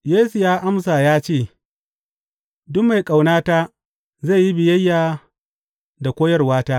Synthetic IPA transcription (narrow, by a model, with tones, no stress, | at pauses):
jeː˦su˨jaː˦ʔa˦ms̬a˨jaː˦t͡ʃeː˦˨ | dʊ˦mːa˨jkʼa˨wnaː˦taː˦ | za˦˨ji˦bɪ˨jɐ˦jːaː˨ | da˨kʷoː˦jɐ˦rwaː˦taː˦